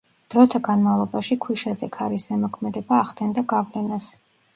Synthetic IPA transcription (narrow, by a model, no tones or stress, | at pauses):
d̪̥ɾɔt̪ʰaɡanmavlˠɔbaʃikʰwiʃazɛkʰaɾisɛmɔkʰmɛd̪ɛbaːʁd̪ɛnd̪aɡavlɛnas